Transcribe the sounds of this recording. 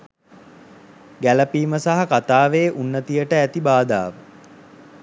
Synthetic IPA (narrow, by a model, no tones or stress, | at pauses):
ɡæləpiːməsaɦakat̪aːʋeːʔunːət̪ijəʈəæt̪ibaːd̪a̰ːʋə